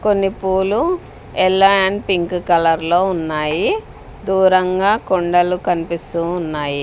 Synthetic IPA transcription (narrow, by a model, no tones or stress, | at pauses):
konːipuːlu | ɛlːɐaɳɖpiŋkkɐlɐɾlo̞ːunːaːji | d̪uːɾɐŋɡaːkoɳɖɐlukɐnipist̪uːnːaːji